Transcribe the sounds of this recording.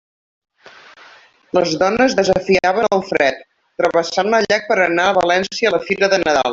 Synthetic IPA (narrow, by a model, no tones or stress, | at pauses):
ləzðɔnəzðəzəfiaβənəlˠfɾɛt̪ː | ɾəβəsanləʎak̚pəɾənaəβəlɛnsiələfiɾəðənəða̰lˠ